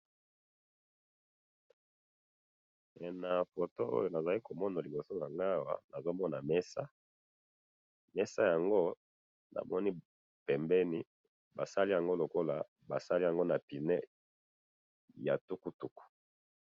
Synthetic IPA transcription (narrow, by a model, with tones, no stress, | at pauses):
ɛ˨na˨fo˨to˦o̰˦jo˨na˨za˨li˦ko˨mɔ˦na˨li˨bo˨so˦ja˨ŋɡa˦wa̰˨na˨zo˦mɔ˦na˨mɛ˦sa̰˦ | mɛ˦sa˦ja˨ŋɡo˦ | na̰˨mɔ˦ni˦ | pɛ˨mbɛ˦ni˦ | ba˨sa˦li˦ja˨ŋɡo˦lo˨ko˦la˨ | ba˨sa˦li˦ja˨ŋɡo˦na˨pi˨nɛ˦ | ja̰˨tu˦ku˦tu˦ku̥˨